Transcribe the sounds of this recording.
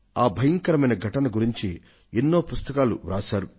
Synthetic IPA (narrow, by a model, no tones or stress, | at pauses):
aːbʱɐjɐŋkɐɾɐmɐjnɐɡʱɐʈɐnɐɡuɾiɲt͡ʃi | enːo̞ːpust̪ɐkaːlṵɾa̰ːʃaːɾu